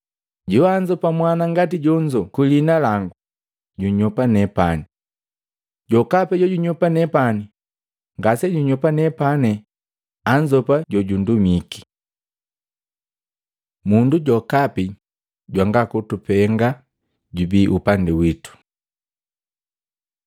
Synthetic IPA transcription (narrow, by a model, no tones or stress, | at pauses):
ɟuaɲd͡ʒɔpamwanaŋɡatiɟɔɲd͡ʒɔkulinalaŋɡu | ɟuɲɔpanɛpani | ɟɔkapɛɟɔɟuɲɔpanɛpani | ŋɡasɛɟuɲɔpanɛpanɛ | aɲd͡ʒɔpaɟɔɟundumiki̥ | munduɟɔkapi | ɟwaŋɡakutupɛŋɡa | ɟubiʔupandiwitu̥